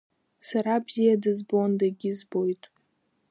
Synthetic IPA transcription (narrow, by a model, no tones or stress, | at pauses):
saɾabz̥ijadɨzbondaɡʲɪzbo̞jtʼ